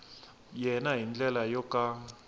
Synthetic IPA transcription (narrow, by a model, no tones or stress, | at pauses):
jɛnaɦind͡ɮʼɛlajɔkʼa